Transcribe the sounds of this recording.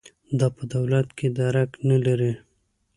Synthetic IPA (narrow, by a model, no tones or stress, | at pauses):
d̪ɑpəd̪awlat̪ked̪aɾaknalaɾi